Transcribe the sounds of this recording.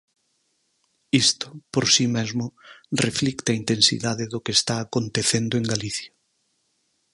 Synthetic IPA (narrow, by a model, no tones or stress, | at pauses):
ist̪ʊ̥poɾsimezmʊreflikt̪aint̪ẽnsḭðaðɪðʊkeːst̪aːkont̪eθend̪oeŋɡaliθja